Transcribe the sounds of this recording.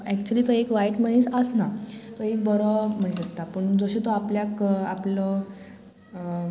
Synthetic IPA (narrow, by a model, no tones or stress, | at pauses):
ækt͡ɕuəliːt̪əekʋaiʈməɽ̃ẽsəsnat̪ɔek̚bəɾɔm̤əɽ̃esəst̪apəɳd͡zɔɕet̪oapljakaplɔ